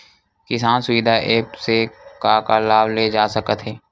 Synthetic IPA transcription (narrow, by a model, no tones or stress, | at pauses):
kɪsaːnsʊʋid̪ʱaʔeːpsekaːkalaːʋled͡ʒaːsɐkət̪ɦɛː